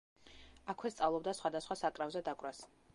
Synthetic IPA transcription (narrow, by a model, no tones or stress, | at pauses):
akʰwɛst̪sʼavlˠɔb̚d̪asχwad̪asχwasakʼɾavzɛd̪akʼwɾas